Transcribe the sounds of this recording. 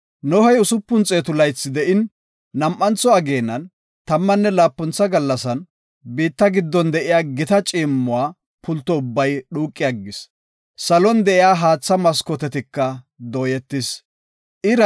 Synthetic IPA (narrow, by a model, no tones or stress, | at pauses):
nɔhɐjʊsʊpːʊnt͡sʼeːt̪ʊlɐjsːɪd̪ɛʔɪnː | ɐmʔːɐnt͡sɔɐɡe̞ːnːɐn | t̪ɐmːɐnːɛlaːpːɔnt͡sːɐɡɐlːɐsɐn | biːt̪ːɐɡɪd̪ːɔnd̪ɛʔɪjaːɡɪt̪ɐt͡ʃʼiːmːʊwaː | pʊlt̪ːɔʊbːɐjɗuːkʼːɪjɐɡːɪs | sɐlɔnd̪ɛʔɪjaːɦaːt͡sːɐmɐskɔt̪ɛt̪ɪkːɐ | d̪ɔːjɛt̪ːɪs | ʔɪɾɐ